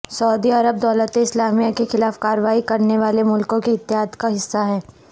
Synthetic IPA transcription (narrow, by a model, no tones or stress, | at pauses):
sɐʊd̪iɐɾəb̚d̪ɔːlət̪ẽɪslaːmijakexɪlaːfkaːɾəʋaːikɐɾneʋaːlemʊlkõkeɪt̪ːɪɦaːd̪kaɦɪsːaɦɛː